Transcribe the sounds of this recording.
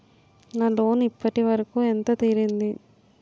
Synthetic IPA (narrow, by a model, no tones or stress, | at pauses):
naːloːnipːɐʈiʋɐɾɐkuːent̪ɐt̪iːɾind̪i